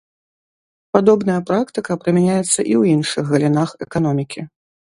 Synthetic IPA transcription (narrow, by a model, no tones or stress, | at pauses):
pad̪ɔbnɐjɐpɾakt̪ɨkɐpɾɨmʲanʲajɛt̪sːɐ̰ʔiwjinʂɨɣɣɐlʲinaxɛ̰kan̪ɔmʲikʲi